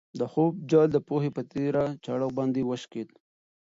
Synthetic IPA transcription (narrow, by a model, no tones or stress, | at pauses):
d̪əxob̚d͡ʒɑld̪əpohepət̪eɾat͡ʃaɽawbɑnd̪iwəʃked̪